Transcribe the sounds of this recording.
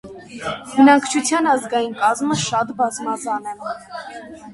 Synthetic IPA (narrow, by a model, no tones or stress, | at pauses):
bənɑŋkʰt͡ʃʰut͡sʰjɑnɑzɡɑjinkɑzməʃɑt̪bɑzmɑd͡zɑnɛ